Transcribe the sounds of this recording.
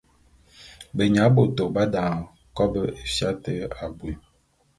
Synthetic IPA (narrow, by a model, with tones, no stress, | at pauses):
bə˨ɲa˨˦bo˨to˨ba˦dã˨ | kɔ˦bə˦e˨fja˦tə˦a˨bwi˨